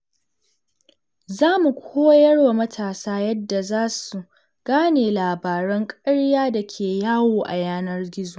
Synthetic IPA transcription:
zaː˦mu˨kʷʰoː˦jɐ˦rwa˨mɐ˦tʰaː˨saː˦jɐ˦dːa˨zaː˦su˨ | ɡ̥aː˦neː˨laː˨baː˨ɾɐ˦ŋkʼɐ˦ɽjaː˦da˨kʲʰeː˨jaː˦woː˨ʔa̰˨jaː˦nɐ˦rɡʲɪ˦zu˨

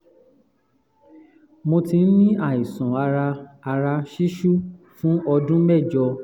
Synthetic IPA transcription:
mo˧tĩ˧n̩˦nĩ˦a˦˨i˨sũ˨a˧ɾa˧a˧ɾa˧ʃi˦ʃu˦˨ | fũ˦ɔ˧dũ˦mɛ˦˨d͡ʒɔ˧

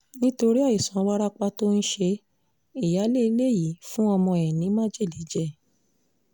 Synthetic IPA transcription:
nĩ˦to˧ɾi˦a˦˨i˨sɔ̃˨˦wa˦ɾa˦k͡pa˧to˦n̩˦ʃe˧ | i˦˨ja˨˦le˦i˧le˦ji˨˦fũ˦ɔ˧mɔ̃˧˨ɛ̃˨nĩ˨˦mã˦d͡ʒi˦˨li˨˦d͡ʒɛ˦˨

